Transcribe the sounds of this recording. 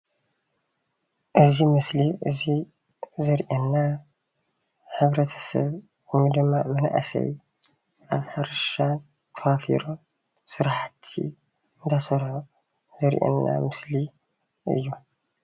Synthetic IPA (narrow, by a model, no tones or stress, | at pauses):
ʔɨzimɨsliʔɨzi | zɨɾʔenːa | ħɨβɾɐt̪ʰɐ̥sɐ̰β | jmːid̪ɨmːamɐnaʔasɐ̰j | ʔaβħaɾɨʃan | t̪ʰɐwafḭɾom | sɨɾħat̪ʰḭ | ɨnd̪ʰasɐɾħo | zɨɾʔḛnːa̰mɨsli | ʔɨ̰jːu